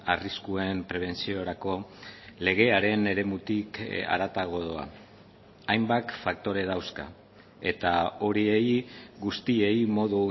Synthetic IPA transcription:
ariskue̞mpɾe̞β̞e̞nt͡sio̞ɾako̞le̞ɣ̞e̞aɾe̞ne̞ɾe̞mut̪ika̰ɾat̪aɣo̞ðoa̰ | ajmbak̪fak̚t̪o̞ɾe̞ðawska̰ | e̞t̪ao̞ɾiejɣust̪ie̞jmo̞ðu

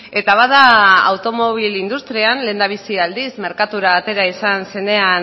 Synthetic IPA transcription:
e̞t̪aβ̞aðaa̰wt̪o̞mo̞β̞ilind̪ust̪ɾianle̞ːnd̪aβ̞isiald̪isme̞ɾkat̪uɾaːt̪e̞ɾaisanse̞ne̞an

